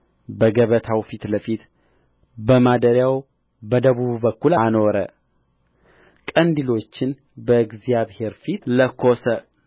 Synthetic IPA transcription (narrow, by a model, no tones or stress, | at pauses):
bəɡəβət̪ʰawfit̪ləfit̪ | bəmad̪əɾjaw | bəd̪əβuβbəkːulano̞ɾə̰ | kʼənd̪ilo̞t͡ʃːɪn | bəɨɡzijaβhe̞ɾfit̪ləkʰosə